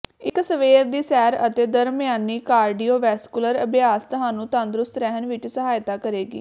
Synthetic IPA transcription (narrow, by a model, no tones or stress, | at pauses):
ɪksəʋeːɾd̪iːsɛːɾət̪eːd̪əɾmɪjaːniːkaːɾɖiːoːʋɛːskʊləɾəbjaːst̪ʊɦaːnũːt̪ʊãːnd̪ɾʊst̪ɾɛːɦənʋɪt͡ʃsəɦaːjt̪aːkəɾeːɡḭː